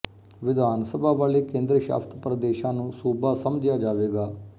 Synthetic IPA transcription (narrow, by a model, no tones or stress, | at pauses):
ʋɪd̪ʱaːnsəbʱaːʋaːleːkẽːnd̪ɾəʃa̰ːft̪pɾəd̪eːʃãːnũːsuːbaːsəmd͡ʒjaːd͡ʒaːʋeːɡaː